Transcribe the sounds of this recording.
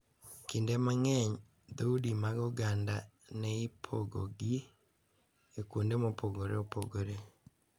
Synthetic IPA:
kindemaŋɛɲ | ðaudimaɡoɡanda | neipʰoɡo̰ɡi | ekundemopoɡoɾḛopoɡoɾe

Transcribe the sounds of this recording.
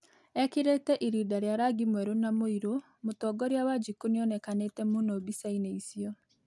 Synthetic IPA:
ɛkiɾetɛʔiɾidaɾjaɾaɡimwɛɾonamoiɾo | motɔːɡɔɾjawad͡ʒikuneɔnɛkanetɛmunobisaineisiɔ

